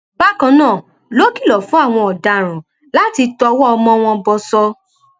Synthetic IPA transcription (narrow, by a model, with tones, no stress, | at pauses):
ba˦kã˧nãː˦˨ | lo˦ki˦˨lɔ˨fũ˦a˦˨w̃ɔ̃˧ɔ˨da˨ɾ̃ũ˨ | la˦ti˧tɔ˧wɔ˦ɔ˧mɔ̃˧w̃ɔ̃˧bɔ˧sɔ˧